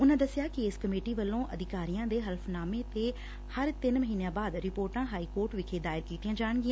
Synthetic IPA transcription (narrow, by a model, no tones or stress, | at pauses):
ʊnãːd̪əsɪjaːkɪɪːskəmeːʈiːʋəlːõːʔəd̪ɪkaːɾijãːd̪eːɦəlpʰnaːmẽːt̪eː | həɾt̪ɪnməɦiːnejãːbaːd̪ɾɪpoːɾʈãːɦaːiːkoːɾʈʋɪkʰeːd̪aːɪɾkiːt̪ijãːd͡ʒaːɳ̃ɡɪãː